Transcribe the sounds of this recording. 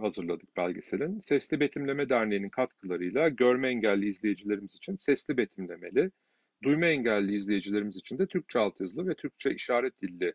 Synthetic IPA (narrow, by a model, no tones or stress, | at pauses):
hazɯɾlˠad̪ɯk̚b̥ælʲɟisenʲinsɛslʲibe̞t̪ʰimlʲe̞mɛd̪æɾnejninkʰat̪kʰɯlˠaɾɯjlˠaɟøɾmɛɛɲɟælʲːiizlʲe̞jed͡ʒilʲe̞ɾimizit͡ʃʰinsɛslʲibet̪ʰimlʲe̞me̞̰lʲɪ | d̪ujmaɛɲɟælʲːiːzlʲe̞jed͡ʒilʲe̞ɾimizit͡ʃʰind̪ɛt̪ʰyɾc̚t͡ʃʰɛalˠt̪jazɯlˠɯvɛt̪ʰyɾc̚t͡ʃʰɛiʃaːɾɛt̪̚d̪ilʲːɪ